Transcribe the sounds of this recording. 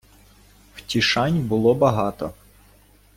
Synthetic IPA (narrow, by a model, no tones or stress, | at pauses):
wtʲiʃɑnʲbʊlˠɔbɐɦɑt̪ɔ